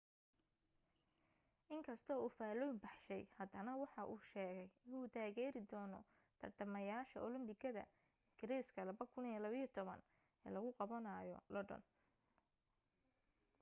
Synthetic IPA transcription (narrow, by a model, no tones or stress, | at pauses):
ʔɪŋkʰɐst̪ʰɔːuːfaːlɔjmbɑħʃɛjhɐd̪ɐnɐwɑħɑʔuːʃɛːɣɛjɪnuːt̪ʰaːɣɛːɾɪd̪ɔːnɔ̰ | t̪ʰɐrt̪ʰɐmɐjaːʃɐ̰ʔɔlɪmbɪkʰɐðɐ̰ | ɪŋɡɪɾiːskʰɐlɐβɐkʰʊnijɛlɐβɪjːt̪ʰɔβɐ̰n | ɛ̰ːlɐɣʊqɑβɐnajɔ̰lɔɖɔ̰n